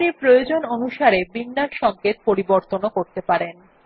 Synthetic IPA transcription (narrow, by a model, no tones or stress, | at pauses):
nipɾojod͡ʑononuʃaɾebinːaʈʃɔŋket̪̚poɾiboɾt̪onokoɾt̪epaɾen